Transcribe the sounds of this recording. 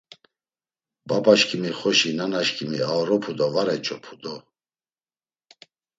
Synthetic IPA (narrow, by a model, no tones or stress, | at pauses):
babaʃkʰʼimiχɔʃinanaʃkʰimiaɾɔpʰud̪ɔvaɾɛt͡ʃʰʼɔpʰud̪ɔ